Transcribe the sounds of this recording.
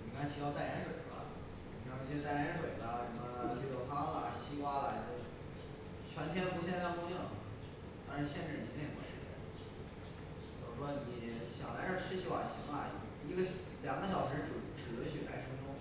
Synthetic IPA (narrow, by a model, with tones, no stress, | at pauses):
ni˨˩kʰʂɻʰi˧˥jɑ˥˧t̪a˥˩ɪlɛ˧˥nʂwe˨˩ɪ˦bɐ̰˧ | ni˨˩˧t͡ɕi˥˧˥t̪a˥˩jnʂ̬we˨˩ɪbə˧ʂə˧˥mə˧li˥˧˩o˥˩fa˥˧lə̰˨˩ɕi˥kwa˥lə˨jo˧˩ | t͡ɕʰɥɛ˧˥nt̪ʰjɛ˥pu˧˥ɕ̬jɛ˥˧nʰ˥˧˥u˥˧ni˥˩ŋ˩˨ | t̪ɑ˥ʂɻ̩˧˥ɕjɛ˥˧nʈ͡ʂɻ̩˥˩ni˨˩˥ẽ˧˨˩mwɔ̰˥˩ʂɻ̩˧˩t͡ɕjɛ̰˥˩n | u˨˧˩ʈ͡ʂɻu˥˩ʂwɔ˥ni˨˩ɕjɑ̰˨˩ŋla˧˥ɪʂɻ̩˥˧˩ʈ͡ʂʰɻ̩˥ɕjo˥˩ʊa̰˨˩ɕi˧˥ma̰˧˩˧ | i˧˥ɡə˧ɕ | ljɑ˨˩ŋɡə˥ɕ̬jɑ˨˩ʊʂɻ̩˧˥ʈ͡ʂu˧˩ʈ͡ʂɻ̩˨˩ə˧˥t͡ɕʰy˨˩la˧˥˩ɪʈ͡ʂʰɤ˧˥ʈ͡ʂʊ˥ŋ